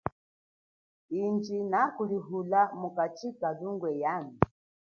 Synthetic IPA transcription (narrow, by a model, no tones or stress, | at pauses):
ind͡ʒinakuliɦulamukat͡ʃikaduŋɡwɛjani